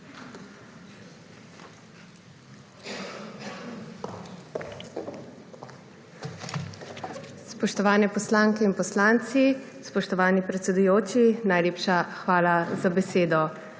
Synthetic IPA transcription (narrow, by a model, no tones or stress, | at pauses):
spɔʃt̪ɔʋaːnɛpɔslaːŋkɛinpɔslaːnt̪sispɔʃt̪ɔʋaːnipɾɛt̪sɛd̪ujoːt͡ʃinajleːpʃaxʋaːlazabɛseːd̪ɔ